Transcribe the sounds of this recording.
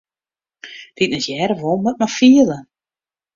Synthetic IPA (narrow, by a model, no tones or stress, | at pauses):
d̥itnɛtjɛːɾəʋolˠmət̚mafiəlˠə